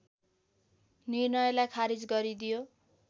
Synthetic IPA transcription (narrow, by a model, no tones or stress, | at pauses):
nirnʌjlajkʰaɾid͡zɡʌɾid̪ijo